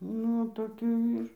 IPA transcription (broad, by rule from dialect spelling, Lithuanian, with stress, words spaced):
ˈnʊ toːˈkʲuː ˈiːr